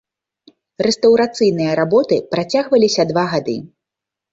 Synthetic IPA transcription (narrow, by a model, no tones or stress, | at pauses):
rɛst̪ɐwɾat̪sɨjnɨjɐɾabɔt̪ɨpɾat͡sʲaɣvɐlʲisʲɐd̪vaɣad̪ɨ